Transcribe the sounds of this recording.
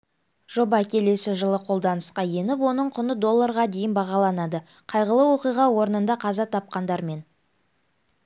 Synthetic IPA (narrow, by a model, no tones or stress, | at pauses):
ʒ̥o̞bɑkʲe̞le̞sɪʒəlˠəqʰo̞lˠd̪ɑnəsqɑje̞nɪpwo̞nəɴqʰʊnəd̪o̞lˠːaɾʁɑd̪e̞jɪnbɑʁɑlˠɑnɑd̪ə | qʰɑjʁəlˠəwo̞qijʁɑwo̞ɾənənd̪ɑqʰɑzɑt̪ʰɑp̚qɑnd̪ɑɾme̞n